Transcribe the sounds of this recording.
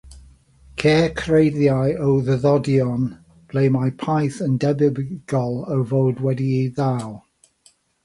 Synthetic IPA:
kʰɛːkʰrejðjajəwðəðɔdjɔn | b̥lejmajpʰajθə̃ndɛbɪbɡ̥ɔlˠəwvowdwɛdiiðaw

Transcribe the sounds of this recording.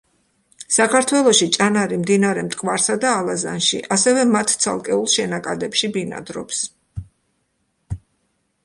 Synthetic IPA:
sakʰaɾt̪ʰwɛlˠɔʃit͡ʃʼanaɾimd̪inaɾɛmt̪ʼkʼvaɾsad̪aːlˠaza̰nʃḭʔasɛvɛmat̪ʰt̪sʰa̰lˠkʼɛulˠʃɛnakʼad̪ɛpʃibina̰d̪ɾɔ̰ps

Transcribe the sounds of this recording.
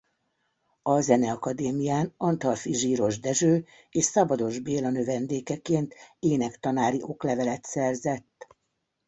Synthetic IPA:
ɒzɛnɛɒkɒd̪eːmijaːnɒnt̪ɒlfiʒiːɾo̞ʒd̪ɛʒøː | eːʃsɒbɒd̪o̞ʒbeːlɒnøvɛnd̪eːkɛkeːnt̪eːnɛkt̪ɒnaːɾiʔo̞klɛvɛlɛt̪sɛrzɛt̪ː

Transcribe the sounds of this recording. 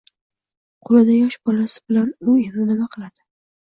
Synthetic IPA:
qʰʊlad̪ajɒʃbɒlasɪ̥bɪlanʊenɪnɪmaqʰɨlˠad̪̥ɪ

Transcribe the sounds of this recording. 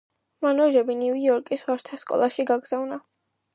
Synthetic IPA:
manɔʒɛbiniviɔɾkʼiswaɾt̪ʰaskʼɔ̰lˠaʃiɡaɡz̥avna

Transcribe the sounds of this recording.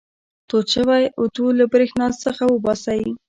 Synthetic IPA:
t̪ot͡ʃəwajʊt̪ulabɾexnɑt͡səxawəbɑsawi

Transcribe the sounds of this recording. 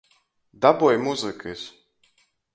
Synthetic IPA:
d̪abɔjmuzɨkɨsʲ

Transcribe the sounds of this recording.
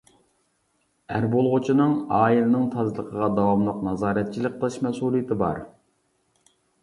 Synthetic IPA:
æɾbolˠʁʊt͡ʃʰinɨŋɑːilɨnɨŋt̪ʰɑzlˠəqʰəʁɑd̪ɑwɑmlˠʊqnɑzɑːɾɛt̪̚t͡ʃʰilɪk̚ʲqʰəlˠɨʃmɛsulˠijt̪ʰɪbɑ̰ɾ

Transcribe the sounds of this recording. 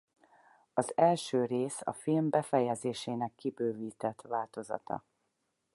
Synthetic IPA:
ɒzɛlʃøːɾeːsɒ̰filmbɛfɛjɛzeːʃeːnɛkːibøːviːt̪ɛt̪ʋaːlt̪o̞zɒ̰t̪ɒ̰

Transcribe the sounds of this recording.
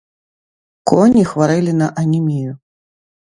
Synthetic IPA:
kɔnʲixvaɾɨlʲinɐʔɐnʲimʲiju

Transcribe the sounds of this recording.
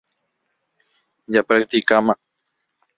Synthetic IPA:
japɾak̚t̪ikama

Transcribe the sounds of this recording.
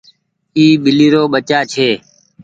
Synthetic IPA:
iːɓɪliːɾoːɓət͡ʃaːt͡ʃʰeː

